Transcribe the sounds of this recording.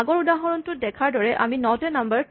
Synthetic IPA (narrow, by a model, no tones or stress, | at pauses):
aɡɔɹudaɦɔɹɔntʊdɛkʰaɹdɔɹɛʔaminɔtɛnambəɹ